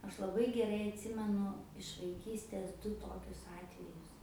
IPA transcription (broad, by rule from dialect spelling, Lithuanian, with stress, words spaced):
ˈɐʃ lˠɐˈbɐɪ ɡʲɛˈrɐɪ ɐtʲˈsʲɪmʲɛnʊ ɪʃ ʋɐɪˈkʲiːsʲtʲeːs ˈdʊ ˈtoːkʲʊs ˈɑːtʲʋʲɛjʊs